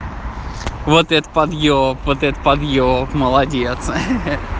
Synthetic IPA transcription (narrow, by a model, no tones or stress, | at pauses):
vot̪ɛt̪əpɐd̪jopvot̪ɛt̪ət̪pɐd̪jopməlˠɐdʲet̪s